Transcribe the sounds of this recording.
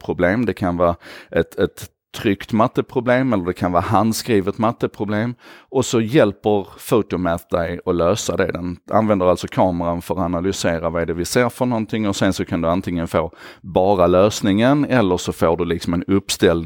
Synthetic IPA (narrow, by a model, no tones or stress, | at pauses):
pʰɾʊbleːmd̪ɛkʰanvɑːɛt̪ɛt̪ʰː | ɾʏkt̪mat̪ːəpʰɾʊbleːmɛlːəɖɛkʰanvɑːɦand̪skɾiːvət̪mat̪ːəpʰɾʊbleːmɔsɔjɛlpəɾfut̪ʊmɛt̪d̪ɛjɔløːsad̪ɛd̪ɛna̰nvɛnd̪əɾalsɔkʰɑːməɾanfœɾɔanalʏseːɾavaɛɖɛvɪseːɾfœɳɔnt̪ʰɪŋːɔsɛnsɔkʰand̪ɵant̪ʰɪŋːənfoːbɑːɾaløːsnɪŋənɛlːəʂɔfoːɖɵlɪksɔmɛnɵpːst̪ɛl